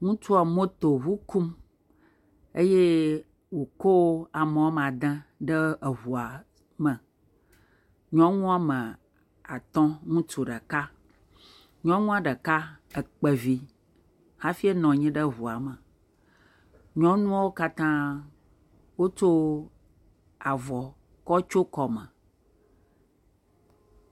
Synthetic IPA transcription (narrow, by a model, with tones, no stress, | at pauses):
ŋũ˦t͡ʃu˦a˨mo˦t̪o˨ɦu˦ku˦m | e˦je˦ | wo˨ko˦a˨mə˨wo˦m˨a˨d̪ɛ̃˦ɖə˦ə˨βu˨a˨ | mə˨ | ɲɔ̃˦ŋũ˦a˦mə̃˨ | a˨t̪ɔ̃˦ŋũ˦t͡ʃu˨ɖə˨ka˦ | ɲɔ̃˦ŋũ˦a˦ɖə˨ka˦ə˨k͡pə˨vi˦ | ha˦fi˦e˦nɔ̃˨ɲĩ˦ɖə˦ɦu˨a˨mə˨ | ɲɔ̃˦nũ˦wo˦ka˦t̪ã˦ | wo˦t͡ʃo˦ | a˨vɔ˨ | kɔ˦t͡ʃo˦kɔ˨mə˨